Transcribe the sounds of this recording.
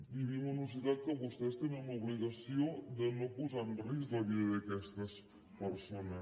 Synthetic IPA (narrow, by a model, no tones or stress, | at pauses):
biβimosnos̬iðað̚kəβust̪est̪eneumoβliɣasjod̪enokuzanrisɣɐβiðɐðekɛst̪ɐs | pəɾsonɐ